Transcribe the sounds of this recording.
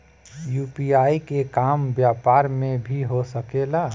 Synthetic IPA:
juːpiaːikekaːmbjaːpaːɾmẽbʱiɦosəkelaː

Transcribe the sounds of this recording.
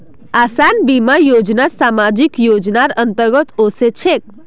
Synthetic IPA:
asanbimajod͡ʒnasamad͡ʒikjod͡ʒnaɾənt̪əɾɡət̪oset͡ʃʰek

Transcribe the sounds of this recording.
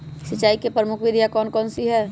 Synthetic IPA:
sɪt͡ʃːaːikepɾəmʊkʰʋɪd̪ʱjakɔːnkɔːnsiɦɛː

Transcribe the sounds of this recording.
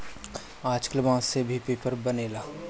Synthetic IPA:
aːd͡ʒkəlbãːsebʱipeːpəɾbɐneːlaː

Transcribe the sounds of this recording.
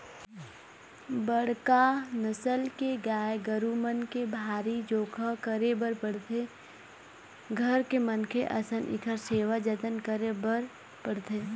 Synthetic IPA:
bəɽ̤kanəsəlkeɡaːeɡəɾumənkebʱaːɾid͡ʒoːkʰakəɾebəɾpəɽ̤t̪e | ɡʱəɾkemənkʰeʔɐsənʔɪ̰kʰəɾseːʋad͡ʒət̪ənkəɾebəɾ | pəɽ̤t̪ʰeː

